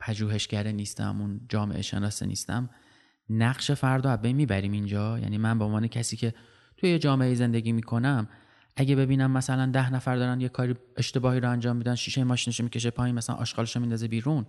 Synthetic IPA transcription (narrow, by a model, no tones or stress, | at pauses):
pʰæd͡ʒuːɦe̞ʃcæɾeniːst̪æ̰mund͡ʒɒːme̞̰ʔḛʃḛnɒːsḭnḭːst̪æ̰m | næɢʃe̞fæɾd̪ɒæzbejnmiːbæɾiːmind͡ʒɒːjæ̰niːmænbeonvɒːnecʰæsiːcʰe̞ | t̪ʰujejed͡ʒɒːmeʔeiːze̞nd̪eɟʲiːmiːkʰo̞næm | ʔæɟebe̞biːnæmːæsælænd̪æhnæfæɾd̪ɒːɾænjekʰɒːɾiːe̞ʃt̪e̞bɒːhiːɾoænd͡ʒɒːmːiːd̪ænʃiːʃejemɒːʃiːneʃomicʰe̞ʃ̬epʰɒːiːnmæslæ̰nʔɒ̰ːʃɡɒːleʃomind̪ɒːze̞biːɾun